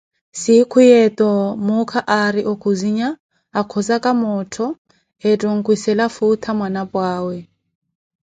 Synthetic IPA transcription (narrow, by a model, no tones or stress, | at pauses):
sikʰʊjɛtʼɔmʊkʰaʔaɾiʔokʰuziɲaː | kʰɔzakʼamɔːtʰɔ | ɛtʼɔŋ̩kʼwisɛlafutʰamwanapʼwaːwɛ